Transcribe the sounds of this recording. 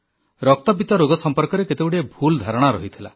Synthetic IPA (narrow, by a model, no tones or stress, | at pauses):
ɾɔk̚t̪ɔbit̪ɔɾoɡɔsɔmpɔɾkɔɾeket̪ebuɽebʱuld̪ʱaɾɔɽ̃aɾɔɦit̪ʰila̰